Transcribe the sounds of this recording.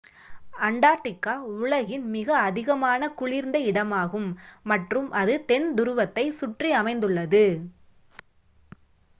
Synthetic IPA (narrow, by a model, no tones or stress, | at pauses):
ɐɳɖaːɾʈːɪkːaːʊɭɐɣɪnmɪɣɐːðɪɣɐmaːnɐkʊɻɪɾnd̪ɐɪɽɐmaːɣɯmːɐʈrɯmʔɐðɯt̪ɛnd̪ʊɾʊʋɐt̪ːɐɪsʊʈriɐmɐɪnd̪ɯɭːɐðɯ